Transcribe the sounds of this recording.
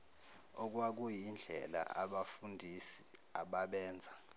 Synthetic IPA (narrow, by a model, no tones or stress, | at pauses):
ok̬ʼwak̬ʼujind͡ɮʱɛ̰la̰ʔaɓafundʱisi̥aɓaɓɛːnd͡zʱa